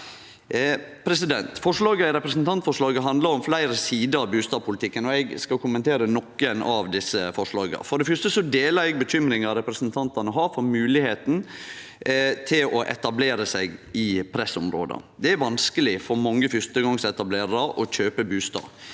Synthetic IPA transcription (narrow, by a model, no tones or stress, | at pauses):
pʰɾɛsɪd̪ɛnt̪fɔʂɭɑːɡəɪɾɛpɾɛsnt̪ʰɑnt̪fɔʂɭɑːɡəɦɑnd̪lɑɾɔmflæɪɾəsiːd̪əɾɑʋbʉːst̪ɑːpʊlɪt̪ʰɪkːənɔɛɡskɑlkʊmənt̪ʰeːɾənɔkːənɑ̰ʋd̪ɪsːəfɔʂɭɑːɡə̰fɔɖɛfœʂt̪əsɔd̪eːlɑɾɛɡ̚bəçʏmɾɪŋɑɾɛpɾɛsnt̪ʰɑnt̪ɑnəɦɑːɾfɔɾmʉːlɪheːt̪n | t̪ʰɪlɔʔɛ̰t̪ɑbleːɾəsæɪɡɪpʰɾɛsɔmɾo̰ːd̪ə̰d̪ɛæɾʋɑnskəlɪfɔɾmɑŋːəfʏɾt̪əɡɑŋsɛt̪ɑbleːɾɑʔɔc͡çøːpəbʉːst̪ɑ̰ː